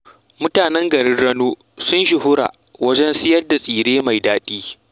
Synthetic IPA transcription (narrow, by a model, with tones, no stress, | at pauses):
mʊ˦taː˨nɛ˦ŋɡɐ˨ɽɪ˦rːɐ˦noː˦ | sʊ˦nʃɪ˨ɦʊ˦ɾa̰ː˨ | wɐ˦d͡ʒɛ˦nsɪ˦jɐ˦rda˨sʼiː˨ɽeː˦ma˨jdaː˦ɗiː˦